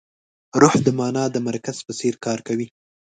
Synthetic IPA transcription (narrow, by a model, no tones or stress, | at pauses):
ɾʊhd̪əmɑnɑd̪əmaɾkaz̥pəseɾkɑɾkawi